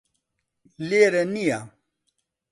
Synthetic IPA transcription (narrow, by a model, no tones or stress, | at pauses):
leɾɛnija